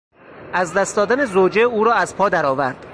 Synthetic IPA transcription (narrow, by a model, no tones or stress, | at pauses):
æzd̪æst̪d̪ɒːd̪ænezoːd͡ʒeuːɾɒːæzpʰɒːd̪æɾɒːvæɾd̪̥